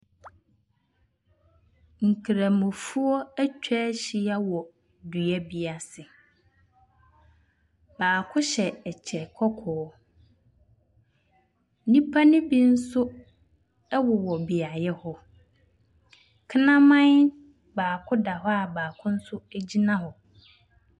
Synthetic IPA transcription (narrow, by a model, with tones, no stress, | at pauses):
ŋ̩˨kʰi˨ɾã˨mʊ̃˨fu˦ɔ˦æ˦t͡ɕᶣʰɛ˦ɕi˨a˦wɔ˨ | dɥɛ˦bi˦a˨sɪ˨ | b̥aː˨kʰʊ˦ɕɛ˨ɛ˨t͡ɕʰɛ˨kʰɔ˦kʰɔː˨˦ | nĩ˦pʰa˦nɪ̃˦bi˦n̩˦sʊ˦ | ɛ˦wɔ˨wɔ˨bi˨a˨jɛ˦hɔ˦ | kʰɪ˦nã˦mã˦n˦ | baː˨kʰʊ˦da˨ɦɔ˦a˨baː˨kʰʊ̃˦n̩˦sʊ˦æ˦d͡ʑi˦nã˦ɦɔ˨